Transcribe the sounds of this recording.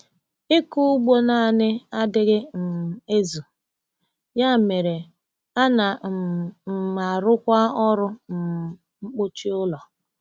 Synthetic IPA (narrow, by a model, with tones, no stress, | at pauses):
ɪ˦ku˦ɡ͡bo˦na˦˨nɪ˦a˦dɪ˦ɣɪ˦n̩˨e˦zu˨ | ja˦˨me˨ɾe˨ | a˦na˨ | ma˨ɾʊ˦kʷa˦ɔ˦ɾʊ˦n̩˨ | ŋ͡m̩˦k͡pʊ˦t͡ʃi˦ʊ˦lɔ˨